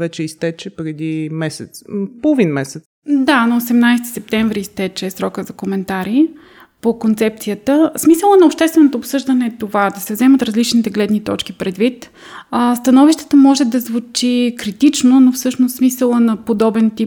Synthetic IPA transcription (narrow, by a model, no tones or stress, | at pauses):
vɛt͡ʃɛist̪ɛt͡ʃɛpɾɛd̪imɛsɛt̪spolˠovinmɛsɛt̪sd̪anɐosɛmnajst̪i̥sɛp̚t̪ɛɱvɾiːst̪ɛt͡ʃɛːsɾɔkəzɐkomɛnt̪aɾi | pokont̪sɛp̚t̪sijət̪əsmisəlˠənɐopʃt̪ɛst̪vɛnot̪oːpsɤʒd̪ənɛːt̪ovad̪ɐsɛvzɛmət̪ɾɐzlit͡ʃnit̪ɛɡlɛd̪nit̪ɔ̰t͡ʃk̟ipɾɛd̪vit̪ | əst̪ɐnɔviʃt̪ə̥t̪əmɔʒɛd̪ɐzvut͡ʃikɾit̪it͡ʃnonofsɤʃnost̪smisəlˠənɐpod̪ɔbɛnt̪i